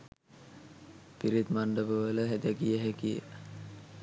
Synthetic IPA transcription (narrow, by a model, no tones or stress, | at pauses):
piɾit̪maɳɖəbəʋələɦed̪ɛɡijəɦekijə̰